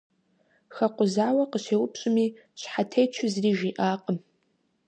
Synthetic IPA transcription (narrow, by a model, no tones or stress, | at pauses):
xɐqʷʊzaːwɐqəɕeːwʊpɕʼɪmi | ɕħatʰejt͡ʃʷʰɪzriːʒiʔaːqʼəm